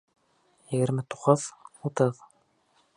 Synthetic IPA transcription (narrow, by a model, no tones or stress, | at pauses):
jɘ̆ɣɘ̆ɾmɘt̪u̥qɤðut̪ɤð